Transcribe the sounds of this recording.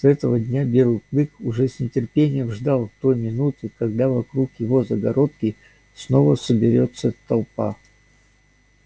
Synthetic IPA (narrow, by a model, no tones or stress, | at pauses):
sɛt̪əvədʲnʲabʲɪɾʊt̪d̪ɨkʊʐɛsnʲɪtʲɪrpʲenʲɪjəmʐd̪alˠt̪ojmʲɪnut̪ɨkɐɡd̪avɐkɾukjɪvo̞zəɡɐɾo̞t̪kʲɪ | sno̞vəsəbʲɪɾʲot̪sːət̪ɐlˠpa̰